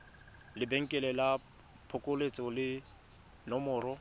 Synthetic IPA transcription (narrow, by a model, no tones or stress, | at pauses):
lɪbeŋ̩kʼɛlɛla | pʰʊkʼolet͡sʼɔlɪ | nɔmʊːɾɔ